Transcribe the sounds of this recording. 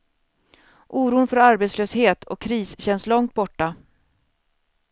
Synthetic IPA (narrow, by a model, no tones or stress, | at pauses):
ʔuːɾuːnfœɾaɾbeːt̪sløːsheːt̪ʰɔ̰kʰːɾiːsɕɛnslɔŋt̪̚bɔʈːa